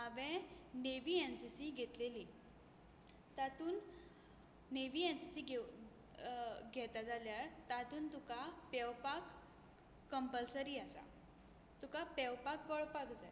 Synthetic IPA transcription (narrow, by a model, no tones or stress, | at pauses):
aʋɛ̃neʋiensisiɡʱet̪leli | t̪at̪uːnː | eʋiːensisiɡe | ɡʱɛt̪ad͡zaljaɾt̪at̪uːnt̪ukapɛwpakː | əmpəlsəɾiːasa̰ | t̪ukapɛwpakːɔɭpakd͡za